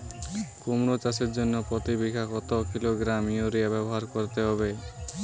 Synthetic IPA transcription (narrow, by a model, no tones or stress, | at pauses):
komɾot͡ʃaseɾd͡ʒonːopɾɔt̪ibikʰakɔt̪okiloɡɾamijoɾiabɛbɔɦaɾkoɾt̪eɦɔbe